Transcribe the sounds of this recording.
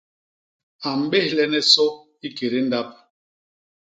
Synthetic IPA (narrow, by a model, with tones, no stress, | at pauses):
a˨m̩˨ɓe˦˨lɛ˦nɛ˦sɔ˦ | i˦ke˨ɾe˦n̩˦da˦p̚